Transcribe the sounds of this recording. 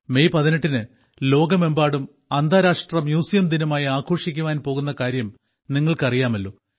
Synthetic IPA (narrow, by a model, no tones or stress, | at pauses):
me̞jpɐðiniʈːinɨ | lo̞ːɡɐme̞mbaːɽum | ɐnd̪ʱaːɾaːʂʈrɐmjuːsijɐmd̪inɐmaːjiaːkʰo̞ːʂikʲːuʋaːnpo̞ːɣun̪ːɐkaːɾjɐm | niŋːɐɭkɐrijaːmɐlːo̞̰ː